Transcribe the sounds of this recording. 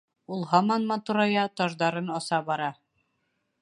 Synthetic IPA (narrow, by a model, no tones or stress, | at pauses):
ulˠɦɑmɑnmɑt̪uɾɑjɑt̪ɒʒd̪ɑɾɤnɑsɑbɒɾɑ